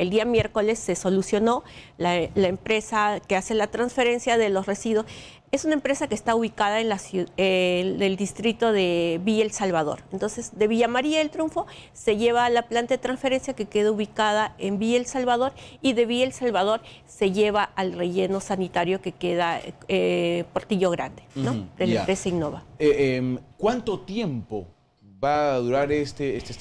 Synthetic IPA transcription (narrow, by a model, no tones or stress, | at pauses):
e̞ld̪iamje̞ɾko̞le̞sːe̞so̞lusjo̞no̞lalaempɾe̞sake̞ase̞lat̪ɾansfe̞ɾe̞nsjaðe̞lo̞sre̞siðwo̞s | e̞sunaempɾe̞sakeːst̪auβikaðaenlasued̪e̞ld̪ist̪ɾit̪o̞ðe̞βielsalβaðo̞̰ɾent̪o̞nse̞zd̪e̞βiʝamaɾiaelt̪ɾjuɱfo̞ | se̞ʝe̞βaːlaplant̪aðet̪ɾansfe̞ɾe̞nsjake̞ke̞ðauβikaðaembielsalβaðo̞ɾiðe̞βielsalβað̞o̞ɾ | se̞ʝe̞βaʔːlre̞ʝe̞no̞sanit̪aɾjo̞ke̞ke̞ðaepo̞ɾt̪iʝo̞ɣɾa̰nd̪enod̪elaempɾesaino̞βaemkwant̪ot̪je̞mpo̰ | baðuɾaɾest̪eest̪e